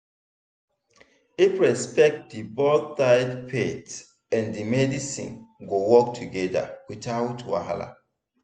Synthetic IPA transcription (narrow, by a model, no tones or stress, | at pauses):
ipɹɛspɛk̚t̚dibɔdθaɪdpʰet | ɛ̃ndimɛdisḭ̃nɡowɔk̚tʰuɡɛda̰witawutʰuwa̰ɦa̰la̰